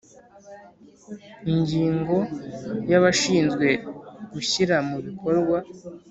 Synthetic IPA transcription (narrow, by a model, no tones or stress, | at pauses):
iɲɟiːŋɡo̞jaβaʃiːnzɡwe̞ɡuçiɾamuβikʰo̞ɾɡwa